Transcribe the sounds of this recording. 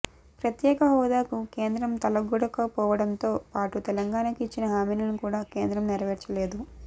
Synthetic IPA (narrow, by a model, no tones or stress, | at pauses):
pɾɐt̪jɛːkɐɦɔːd̪aːkuke̞ːnd̪ɾɐmt̪ɐlɐɡːuɽɐkɐpɔːʋɐɽɐnt̪o̞ːpaːʈut̪ɛlɐŋɡaːnɐkit͡ʃːinɐɦaːmiːlɐnukuːɽaːke̞ːnd̪ɾɐmniɾɐʋɛɾt͡ʃɐleːd̪u